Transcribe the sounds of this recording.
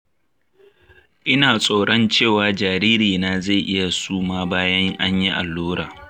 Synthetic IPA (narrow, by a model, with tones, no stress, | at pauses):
ʔɪ˦naː˨sʼoː˨ɽɔ˦nt͡ʃeː˦˨waː˨d͡ʒaː˨ɾiː˦ɾiː˨naː˨˦za˦˨ʔɪ˦ja˨suː˦maː˦baː˦jɐ˦ŋʔa˦ɲji˦ʔa̰˨lːuː˦ɽaː˨